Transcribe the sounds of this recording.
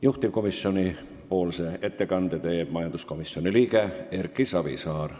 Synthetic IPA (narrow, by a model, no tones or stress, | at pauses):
juht̪ipko̞misːioni | poːlseet̪ːekɑnd̪̥et̪eːb̥mɑjɑnd̪usko̞misːioniliːkeerkːˑisɑbḭsɑːr